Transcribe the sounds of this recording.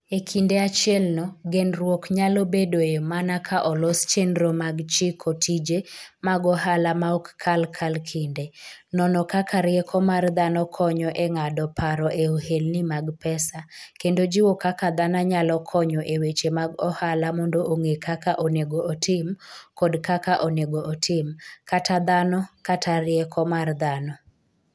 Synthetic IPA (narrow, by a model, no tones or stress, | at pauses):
ekʰindeat͡ʃɪjɛlnɔɡɛnrwɔkɲalobedoemanakʰaʔɔlɔst͡ʃenɾomaɡt͡ʃikʰɔtʰid͡ʒemaɡɔɦalamaɔkkʰalkʰalkʰindenɔnɔkakʰaɾɪjɛkʰɔmard̪anɔkʰɔɲɔʔeŋadɔpaɾɔʔeohelnimaɡpɛsakendod͡ʒɪwɔkakad̪anaɲalɔkʰɔɲɔʔewet͡ʃemaɡɔhalamɔndoʔoŋekʰakaʔoneɡoʔotʰɪmkɔdkakaʔoneɡoʔːtʰɪmkatʰad̪anɔkatʰaɾɪjɛkʰɔmard̪anɔ